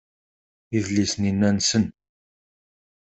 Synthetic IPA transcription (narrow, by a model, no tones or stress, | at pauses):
iðlisəninːænsən